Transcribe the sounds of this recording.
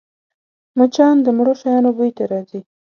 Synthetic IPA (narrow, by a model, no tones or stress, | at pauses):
mat͡ʃɑnd̪əmɽoʃajɑnobujt̪aɾɑzi